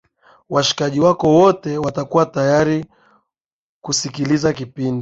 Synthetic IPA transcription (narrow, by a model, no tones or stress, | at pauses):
waʃi̥kaʄiwakɔwɔtɛwatakuwatajaɾi | kusikilizakipindi